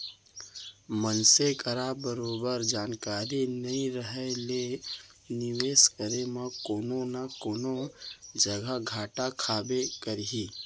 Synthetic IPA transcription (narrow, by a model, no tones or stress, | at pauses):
mənsekəɾabəɾoːbəɾd͡ʒaːnkaːɾinɐĩɾəɦɛle | nɪʋeːskəɾemãkoːnonakoːnod͡ʒəɡaɡʱaːʈakʰaːbekəɾɦiː